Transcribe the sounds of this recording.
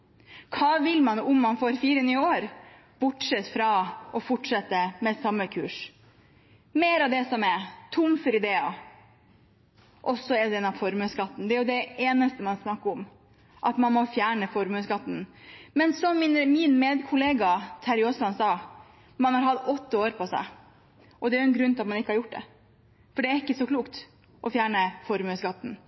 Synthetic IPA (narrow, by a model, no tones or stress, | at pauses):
kʰɑːʋɪlmɑnʊmːɑnfoːɾfiːɾənyːəoːɾ | b̥ʊʈʂɛt̪fɾɑʔɔfɔʈʂɛt̪ːəmɛsɑmːəkʰʉ̰ːʂ | meːɾɑʋd̪ɛsɔmɛɾt̪ʰʊmfɔɾɪd̪eːɑ | ʔɔsːɔɛɾd̪ɛnːɑʋfɔɾmʉskɑt̪ːn̩d̪ɛæɾjʊd̪ɛeːnəst̪əmɑnsnɑkːəʊm | ʔɑt̪mɑnmɔfjæːɳəfɔɾmʉːsɡɑt̪ːn̩mɛnsɔmːɪnmɪnmeːd̪kʰʊleːɡɑt̪ʰæɾɪoslɑnsɑː | mɑnhɑɾɦɑt̪ːɔt̪ːəoːɾpʰɔsæ̰ɪ | ʔɔd̪ɛæɾjʊɛnɡɾʉnt̪ʰlɑt̪mɑnɪkːəhɑɾjʊʈ̚ːd̪ɛ̰ | fɔɖɛæɾɪkːəsɔkʰluːkt̪ | ʔɔfjæːɳəfɔɾmʉːsɡɑt̪ːn̩